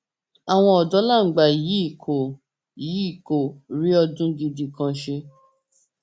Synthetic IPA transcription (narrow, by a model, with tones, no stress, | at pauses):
a˨w̃ɔ̃˧ɔ˨dɔ˨˦la˦˨ŋ̩˨ɡ͡ba˨ji˨˦i˦˨kʰo˨ | ji˨˦i˦˨ko˨ɾi˦ɔ˧dũ˦di˧di˨kã˧ʃe˧